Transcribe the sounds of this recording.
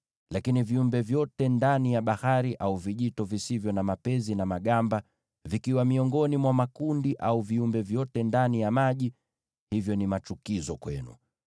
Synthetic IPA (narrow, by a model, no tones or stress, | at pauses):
lakiniviumbɛvjɔtɛndanijaɓahaɾiʔauviʄitɔvisivjɔnamapɛzinamaɠamba | vikiwamiɔŋɡɔnimwamakundiʔauviumbɛvjɔtɛndanijamaʄi | hivjɔnimat͡ʃukizɔkwɛnṵ